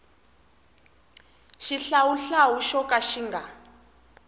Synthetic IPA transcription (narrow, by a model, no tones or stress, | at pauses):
ʃiɬawuɬawuʃɔkaʃiŋɡa